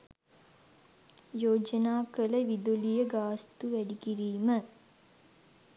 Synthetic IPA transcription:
joːd͡ʒənaːkələʋid̪olijəɡaːst̪uʋæɖikiɾiːmə

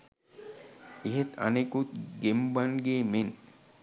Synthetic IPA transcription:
iɦet̪ʰɐ̰nekut̪ɡembanɡeːmen

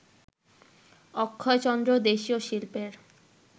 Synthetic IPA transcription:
ɔkʰːɔet͡ɕɔnd̪ɾod̪eʃioʃilpeɾ

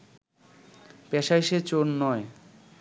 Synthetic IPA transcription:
pɛʃajʃet͡ɕonːɔe

